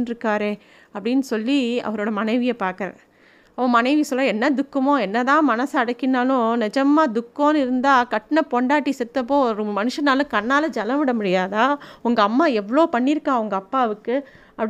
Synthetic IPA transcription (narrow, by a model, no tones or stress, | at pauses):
nɾɯkːaːɾẽː | ɐpːɐɽɪnːɯsɔlːiɐ̰ʋɐɾoːɽɐmɐnɐɪʋɪjɐpaːɾkɐɾɐ | ɐʋɐ̃mɐnɐɪʋisɔlːɐɛnːɐd̪ʊkːɐmõːɛnːɐt̪ãːmɐnɐsɐɐɽɐkːɪnaːlʊ̃nɪd͡ʒɐmaːd̪ʊkːõːnɯɪɾɯnd̪aːkɐʈːɐnɐpɔɳɖaːʈːisɛt̪ːɐp̬ːoːɔɾɯmɐnɯʂɐnaːlʊ̃kɐɳːaːlɐd͡ʒɐlɐ̃ʋɪɽɐmʊɽɪjaːðaːʊŋɡɐːmːaːɛʋːɐɭoːpɐɳːɪɾɯkːaːʊŋɡɐːpːaːʋɯkːɯ | ɐpː